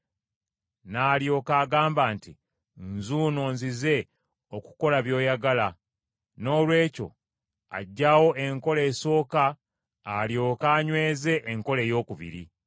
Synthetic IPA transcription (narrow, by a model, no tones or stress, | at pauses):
naːljo̞ːkaːɡaːmbaːnti | nzuːno̞ːnzize̞ | o̞ku̥ko̞laβjo̞ːjaɡala | no̞ːlwe̞ːco̞̰ | a̰ɟːawo̞ʔe̞ŋko̞le̞ːso̞ːkaː | ljo̞ːkaːɲwe̞ːze̞ʔːŋko̞le̞ːjo̞ːkuβḭɾḭ